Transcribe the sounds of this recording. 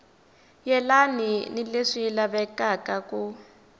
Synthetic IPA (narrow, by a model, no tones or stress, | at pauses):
jɛlaninileʂiːlaβɛkakaku